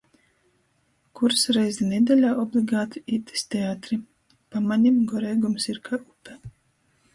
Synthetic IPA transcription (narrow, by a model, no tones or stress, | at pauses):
kuɾsɾɛjzɛnʲɛd̪ʲɛlʲaːʔɔblʲˠiɡaːt̪iit̪i̥sʲt̪ʲeat̪ɾi | pamaɲʲimɡɔɾɛjɡumsiɾkʰaɾupɛ